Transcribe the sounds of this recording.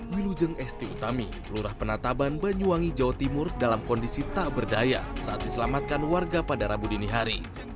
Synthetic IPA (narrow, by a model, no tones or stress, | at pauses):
wilud͡ʒəŋɛst̪iut̪ami | luɾahpənat̪abanbaɲuaŋid͡ʒaot̪imʊrdalamkɔndisit̪aʔbərdaja̰saʔat̪̚disəlamat̪̚kanwarɡapadaɾabudiniɦaɾi